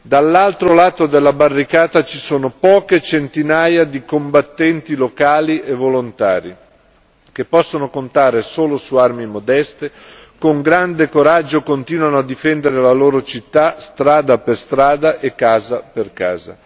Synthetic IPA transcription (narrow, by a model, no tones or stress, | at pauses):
d̪alːalt̪ɾolaːt̪od̪elːabarːikaːt̪at͡ʃisoːnopɔːket͡ʃent̪inajad̪ikombat̪ːɛnt̪ilokaːliʔevolont̪aːɾi | kepːɔsːonokont̪aːɾesoːlosuarmimod̪ɛst̪e | koŋɡɾand̪ekoɾad͡ʒːokont̪iːnwanoad̪ifɛnd̪eɾelaloːɾot͡ʃit̪ːast̪ɾaːd̪aperst̪ɾaːd̪aʔekːaːzaperka̰ːza̰